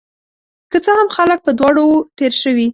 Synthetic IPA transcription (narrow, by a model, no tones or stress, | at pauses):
kət͡səhamxalək̚pəd̪wɑɽowot̪eɾʃəwi